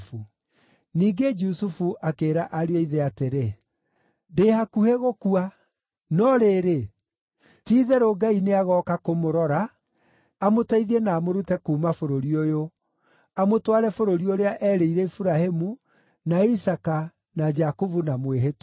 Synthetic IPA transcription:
fu | niːɡed͡ʒusufuʔakeːɾaʔaɾeoiðɛateɾe | dehakuheɣokua | nɔɾeːɾe | tiːðɛɾoɡaineaɣɔkakomoɾɔɾa | amotaiðiɛnaːmoɾutɛkuːmafoɾoɾiojo | amotwaɾɛfoɾoɾioɾeaʔɛːɾeiɾɛifuɾahemu | naisaka | nad͡ʒakovunamweɦet

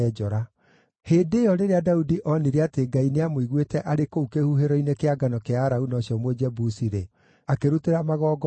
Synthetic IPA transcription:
ɛd͡ʒɔɾa | heːndeːjɔɾeɾeadaudiʔɔniɾeateɡaineamoiɣwetɛʔaɾekoukehuɦeɾɔinekeaɡanɔkeaːɾaunɔɕjɔmwed͡ʒɛbusiɾe | akeɾuteɾamaɣɔːɡɔ

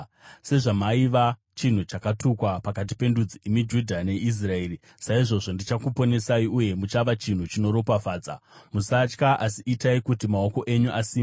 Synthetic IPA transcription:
se̞ʐamaiʋa | t͡ʃin̤ut͡ʃakatukwapakat̬ipe̞ndud͡ziimid͡ʒudʱane̞ʔis̬rae̞ːri | saiʐo̞ʐo̞ndit͡ʃakupo̞ne̞saiʔuje̞mut͡ʃaʋat͡ʃin̤ut͡ʃino̞ɾo̞pafaːd͡za̰musat͡ʃkaʔasiitaikutimao̞ko̞ʔe̞ɲuʔasiːm

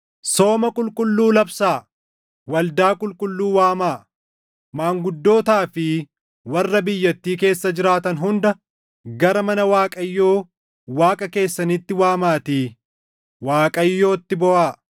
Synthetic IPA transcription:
so̞ːmɐkʼʊlkʼʊlːuːlɐbsaː | wɐld̪aːkʼʊlkʼʊlːuːwaːmaː | maːŋɡʊd̪ːo̞ːt̪aːfɪ | wɐrːɐbɪjːɐt̪ːiːke̞ːsːɐd͡ʒɪɾaːt̪ɐnɦʊnd̪ɐ | ɡɐɾɐmɐnɐwaːkʼɐjːo̞ː | waːkʼɐke̞ːsːɐnɪt̪ːɪwaːmaːt̪iː | waːkʼɐjːo̞ːt̪ːɪbɔʔaː

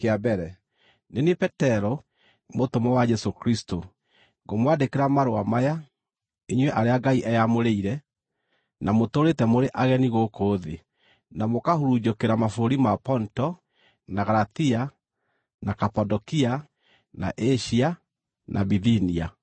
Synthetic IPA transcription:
keabɛɾɛ | nenepɛtɛɾo | motomɛwad͡ʒɛsokɾisto | ɡomwadekeɾamaɾoamaja | eɲwɛʔaɾeaɡaiʔɛjamoɾeiɾɛ | namotoɾetɛmoɾeʔaɣɛniɣokoːðe | namokahuɾud͡ʒokeɾamafoɾimapɔntɔ | naɣaɾaθia | nakapadɔkia | na̰ʔɛʃia | nʔa̰biðinia

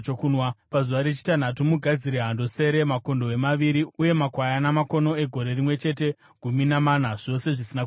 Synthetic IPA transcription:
t͡ʃokunwapazuʋaɾe̞t͡ʃi̥tan̤atumuɡʱad͡ziɾeɦando̞se̞ɾe̞mako̞ndo̞e̞maʋiɾiuje̞makwajanamako̞no̞e̞ɡʱo̞ɾe̞rimwe̞t͡ʃe̞t̬e̞ | ɡ̥ʱuminamaːn̤aʐ̥o̞se̞ʐisina

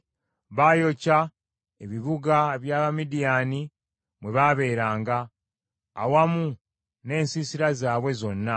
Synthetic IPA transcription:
βaːjo̞ca | e̞βiβuɡaβjaːβamidijaːni | mwe̞βaːβe̞ːɾaːŋɡa̰ː | wamu | ne̞ːnsisiɾazaːβwe̞zo̞nːa

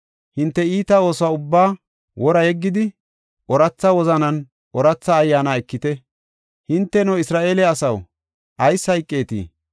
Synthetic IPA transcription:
hɪnt̪ːɛiːt̪ɐo̞ːswaːʊbːaː | wʔɔɾɐjɛɡːɪd̪ɪ | ʔɔɾɐt͡sːɐwɔzɐnɐn | ʔɔɾɐt͡sːɐːjːaːnaːɛkːɪt̪ɛ | hɪnt̪ːɛnɔɪsɾaːʔe̞ːlɛɐsɐw | ʔɐjsːɐjkʼːe̞ːt̪ḭː

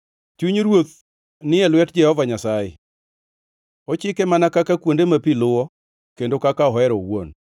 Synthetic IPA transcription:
t͡ʃuɲɾwot̪̚ | nɪɛlwɛt̚d͡ʒɛhɔvaɲasajɪ̰ | ot͡ʃɪkɛmanakakakwondemapilʊwɔ | kendokakaɔɦɛɾɔwo̰n

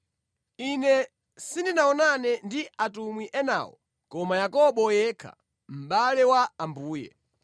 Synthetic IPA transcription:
inɛ | sindinaɔnanɛndiatumwiʔɛna̰ːwɔ̰ | kɔmajakɔɓɔjɛːkʰa̰ | m̩ɓalɛwaambuːjɛ̰

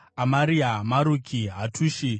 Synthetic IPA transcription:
amaɾiamaɾukʰiɦatʰuːʃi

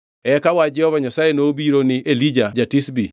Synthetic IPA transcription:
ɛkawad͡ʒɛhɔvaɲasajenoːbiɾonɪʔelid͡ʒad͡ʒatisbi

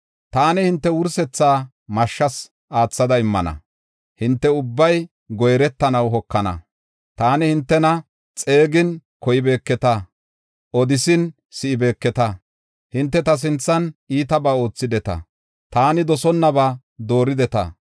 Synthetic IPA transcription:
t̪aːnɪhɪnt̪ːɛwʊɾsɛt͡sːaː | mɐʃːɐs | ʔaːt͡sːɐd̪ɐɪmːɐnɐ̰ | hɪnt̪ːɛʊbːɐj | ɡɔjɾɛt̪ːɐnɐwɦɔkːɐnɐ̰ | t̪aːnɪhɪnt̪ːɛnɐ | t͡sʼe̞ːɡɪnkɔjɪbe̞ːkːɛt̪ɐ | ʔɔd̪ɪsɪn | sɪʔɪbe̞ːkːɛt̪ɐ | hɪnt̪ːɛt̪ɐs̬ɪnt͡sːɐniːt̪ɐbaːo̞ːt͡sːɪd̪ɛt̪ɐ̰ | t̪aːnɪd̪ɔsɔnːɐbaː | d̪o̞ːɾɪd̪ɛt̪ɐ̰

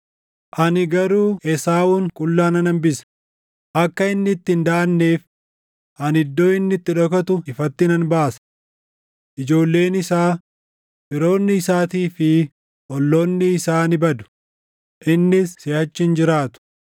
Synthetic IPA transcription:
ʔɐnɪɡɐɾuːʔɛsaːʔuːŋkʼʊlːaːnɐnɐmbɪsɐ̥ | ʔɐkːɐɪnːɪt̪ːɪnd̪aːɐnːeːf | ʔɐnɪd̪ːoːɪnːɪt̪ːɪᶑɔkɐt̪ʊɪfɐt̪ːɪnɐnbaːsɐ̥ | ʔɪd͡ʒo̞ːlːe̞ːnɪsaː | pɪɾo̞ːnːɪːsaːt̪iːfɪ | ʔɔlːoːnːɪːsaːnɪbɐd̪ʊ̥ | ʔɪnːɪsːeːhɐt͡ʃːɪnd͡ʒɪɾaːt̪ʊ̥

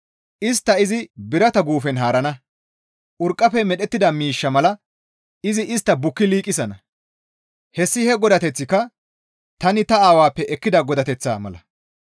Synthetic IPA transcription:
ʔɪs̬t̪ːɐɪzɪbɪɾɐt̪ɐɡuːfɛnɦaːɾɐnɐ | ʔʊɾkʼːɐfɛmɛɗɛt̪ːɪd̪ɐmiːʃːɐmɐlɐ | ɪzɪʔɪst̪ːɐbʊkːɪliːkʼɪsɐnɐ | hɛsːɪhɛɡɔd̪ɐt̪ɛt͡sːɪkːɐ | t̪ɐnɪt̪ɐaːwaːpːɛʔɛkːɪd̪ɐɡɔd̪ɐt̪ɛt͡sːa̰ːmɐ̰lɐ

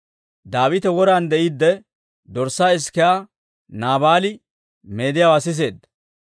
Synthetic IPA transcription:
d̪aːwɪt̪ɛwɔɾand̪ɛʔɪd̪ːɛ | d̪ɔɾsaːɪskɛaː | naːbaːlɪ | me̞ːd̪ɪjaːwasɪs̬e̞ːd̪ɐ

